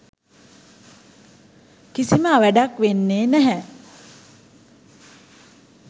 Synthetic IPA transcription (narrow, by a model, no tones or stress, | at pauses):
kisiməaʋæɖakʋenːeːnæɦɛ